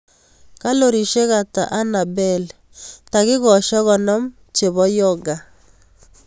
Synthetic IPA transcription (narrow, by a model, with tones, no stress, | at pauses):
ka˦lo˨ɾi˨ʃe˦ɣa˨ta̰˨ʔa˦na˨bɛ˦l | ta˨ɣɪ˦ɣɔ˨ʃɔ˦ɣɔ˨nɔ˦m | t͡ʃe˨βɔ˦jɔ˦ɡa˨